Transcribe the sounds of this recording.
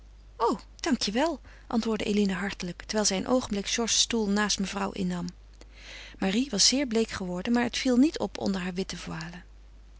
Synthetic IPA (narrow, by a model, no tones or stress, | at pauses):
ow | d̥ɑŋkjəʋɛlˠ | ʔɑ̰ntʋʊːɹdəʔḛjlinəɦɑɹtələktəɹʋɛjlˠzɛjənʔowχənblɪkʃɔɹsːtulˠnaːstməvrʌwʔɪ̰nːɑm | maːriʋɑsz̥ɪːɹblejkχəʋɔɹdənmaːɹɦətfilˠnitʰɔ̰pʰɔ̰ndəɹɦaːɹʋɪtəvwaːlə